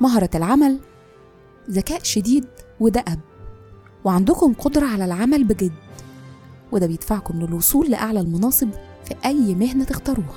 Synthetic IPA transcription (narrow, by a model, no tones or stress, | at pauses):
mɑɦɑɾˤɑlʕamæl | zækæːʔʃed̪iːd̪wed̪æʔæb̚ | weʕand̪ʊkomqod̪ɾˤɑʕalælʕamælbeɡed̪ | wed̪æbejed̪faʕkomlelwosˤuːlːɪʔaʕlælmonɑːsˤeb | fiʔæjːmehnæt̪ext̪ɑɾˤuːhæ